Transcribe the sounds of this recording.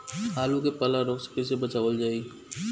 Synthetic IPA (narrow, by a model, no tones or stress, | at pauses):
ɦaːlũkepɐlaɾokskɪs̬ebɐt͡ʃaːʋəld͡ʒaːi